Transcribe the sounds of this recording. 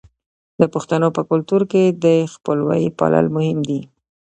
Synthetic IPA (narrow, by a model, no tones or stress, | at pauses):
d̪̥əpʊxt̪anopəkʊlt̪uɾked̪əxpəlwɑjipɑ̰la̰lmʊhɪmd̪i